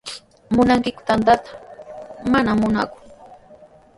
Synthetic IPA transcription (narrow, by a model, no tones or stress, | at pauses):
mʊnaŋkɪkʊ̥t̪ant̪at̪ḁ | manamʊnakʊ̥